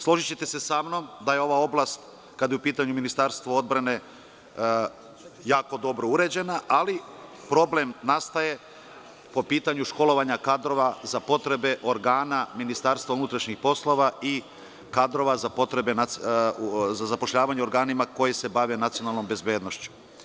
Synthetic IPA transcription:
slˠo̞ʒit͡ɕet̪e̞se̞samno̞md̪aje̞o̞ʋao̞blˠast̪ | kad̪jeupiːt̪aɲuminist̪aɾst̪ʋoo̞d̪̚bɾane̞ | jaːko̞d̪o̞bɾo̞uɾe̞d͡ʑe̞naʔali | pɾo̞ble̞mnast̪aje̞ | po̞piːt̪aɲuʃko̞lo̞ʋaɲakad̪ɾo̞ʋazapo̞t̪ɾe̞be̞ʔo̞ɾɡaːnaminist̪aɾst̪vʋaunut̪ɾaʃɲixpo̞slˠo̞ʋai | kad̪ɾo̞ʋazapo̞t̪ɾe̞bena | zazapo̞ʃʎaːʋaɲeo̞ɾɡaːnimako̞jese̞baʋe̞nat̪sijo̞nalˠno̞mbe̞zbjeːd̪no̞ʃt͡ɕu̥

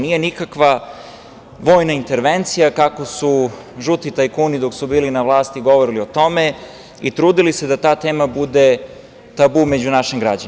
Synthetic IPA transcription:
nije̞nikakʋa | ʋo̞ːjnaint̪e̞ɾʋe̞nt̪sijakako̞su | ʒut̪it̪ajkuːnid̪o̞ksubiːlinaʋlˠaːst̪iɡo̞ʋoɾilio̞t̪o̞me̞ | it̪ɾuːd̪ilised̪at̪aːt̪e̞ːmabud̪e̞ | t̪abume̞d͡ʑunaʃimɡɾa̰d͡ʑani

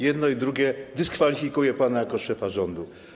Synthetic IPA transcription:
jɛd̪nɔid̪ɾuɡʲjɛd̪ɘskfalʲifʲikujɛpanajakɔʂɛfaʐɔnd̪u

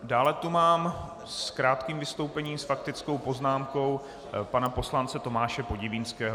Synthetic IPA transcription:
daːlɛt̪umaːm | skɾaːt̪kiːmvɪst̪o̞wpɛɲiːmsfak̚t̪ɪt͡sko̞wpo̞znaːmko̞w | panapo̞slant͡sɛt̪o̞maːʃɛpo̞ɟɪvinskɛːɦ

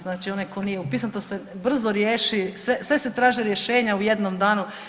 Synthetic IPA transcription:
znaːt͡ʃio̞najko̞nijeupiːsnut̪ose̞br̩zoɾjeːʃisʋesʋe̞se̞t̪ɾaːʒiɾje̞ʃeːɲaujed̪nomd̪aːnu

